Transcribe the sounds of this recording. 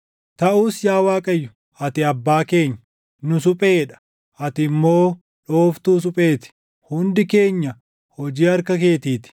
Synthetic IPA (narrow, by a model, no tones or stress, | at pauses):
t̪ɐʔuːsjaːwaːkʼɐjːʊ | ʔɐt̪ɪɐbːaːke̞ːɲː | nʊsʊpʼeːᶑɐ̥ | ʔɐt̪ɪmːo̞ː | ᶑoːft̪uːs̬ʊpʼe̞ːt̪ɪ̥ | hʊnd̪ɪke̞ːɲːɐ | hɔd͡ʒiːɐɾkɐke̞ːt̪iːt̪ɪ̥